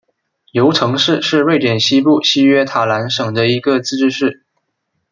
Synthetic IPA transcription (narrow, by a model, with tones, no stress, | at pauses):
jo˧˥ʊʈ͡ʂʰɤ˧˥ŋʂɻ̩˥˧ʂɻ̩˥˧we˥˩ɪʈ͡ʂ̪jɛ˨˩nɕi˥pu˥˩ɕi˥ɥɛ˥t̪ʰa˨˩la˧˥nʂɤ˨˩ŋd̪ə˦i˧˥ɡə˧t͡sɹ̩˥˧ʈ͡ʂɻ̩˥ʂɻ̩˥˩